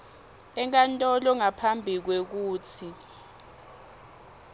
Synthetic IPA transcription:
ɛŋ̬ʼantʼɔlɔŋapʰambʱik̬wek̬uːtʰi

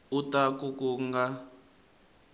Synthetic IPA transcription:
utakukuŋɡa

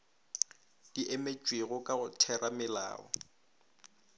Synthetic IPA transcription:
d̥iʔemet͡ʃʼweɣʊkʼaɣʊtʰɛramɪla̰ːɔ̰

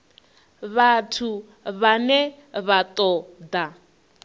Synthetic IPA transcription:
βatʰu | βanɛ | βat̪ʼɔd̪a

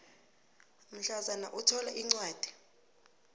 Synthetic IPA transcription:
m̩ɬazanaʔutʰɔlaʔiŋ͡ǀwaːd̥ʱi̥

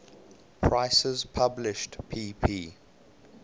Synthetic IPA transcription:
pʰɹaɪsəzpʰablɪʃtpʰiːpʰiː

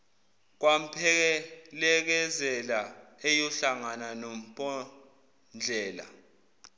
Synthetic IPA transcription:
k̬wam̩pʰɛk̬ɛlɛk̬ɛzɛlaejɔɬaŋananom̩pʼɔ | nd͡ɮʱɛːla̰

